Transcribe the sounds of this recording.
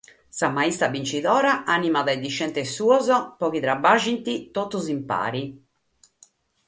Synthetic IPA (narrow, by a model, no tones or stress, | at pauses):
samaist̪abint͡ʃiðɔːɾaʔanimaðajd̪iʃːɛnt̪esuɔzɔpɔkiðɾabaʒint̪it̪ot̪ːuzimpa̰ːɾi